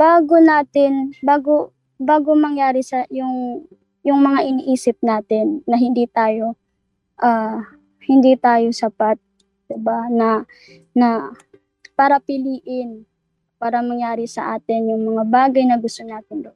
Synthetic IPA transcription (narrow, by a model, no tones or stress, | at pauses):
b̥aːɡonaːt̪ɪnbaːɡo | baːɡomɐŋjaːɾɪsɐjʊŋ | jʊŋmɐŋaʔɪniʔiːsɪp̚naːt̪ɪnːɐɦɪnd̪iːt̪aːjo̞ | ʔa | hɪnd̪it̪aːjo̞sɐpat̪̚ | d̪̥ɪbanɐ | nɐ | paːɾɐpɪliːʔɪn | paːɾɐmɐŋjaːɾɪsɐʔaːt̪ɪnjʊŋmɐŋabaːɡɐjnɐɡʊst̪onaːt̪ɪnd̪o